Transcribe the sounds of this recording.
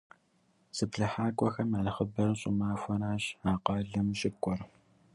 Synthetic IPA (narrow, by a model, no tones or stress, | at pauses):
sɨpɬɐħaːkʷʼɔxɐmalχəbɐrɕʼʊmaːfʷɔnaːɕaːqɑːɮɐmɕʼɪkʷʼɔr